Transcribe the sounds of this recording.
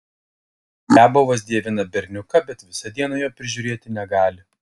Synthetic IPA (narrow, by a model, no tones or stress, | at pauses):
nʲæbʊʋɐsd̪ʲiɛʋʲɪnɐbʲɛɾʲnʲʊkɐbʲɛt̪ʋʲɪsɐd̪ʲiɛnɐjoːpʲɾʲɪʒʲʊːɾʲeːt̪ʲɪnʲɛɡɑːlʲɪ